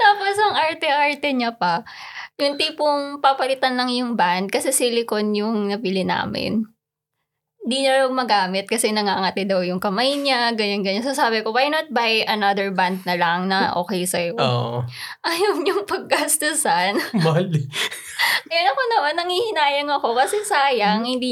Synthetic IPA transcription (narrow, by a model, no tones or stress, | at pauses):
t̪aːposɐŋʔaɹt̪ɛʔaɹt̪ɛɲɐpɐ | jʊŋt̪iːpʊŋpapɐlɪt̪anlɐŋjʊŋband̪̚kɐsɛsilɪkonjʊŋnɐbɪlɪna̰ːmɪ̰n | nd̪iɲɐɾɐwmɐɡaːmɪt̪̚kɐsɛnɐŋaːŋɐt̪ɪd̪ɐwjʊŋkɐmajɲaɡɐɲanɡɐɲansɐsaːbɪko̞wajnot̪̚bajʔɐnad̪ɛɹband̪̚nɐlɐŋnɐʔo̞̰ːkɛjsɐjooʔoʔɐjomɲʊŋpɐɡ̚ːɐst̪ʊsɐnbali | ɐjanɐko̞nɐʔonːɐŋhiːhɪnaːjɐŋɐko̞kɐsɛsaːjɐŋhɪnd̪iː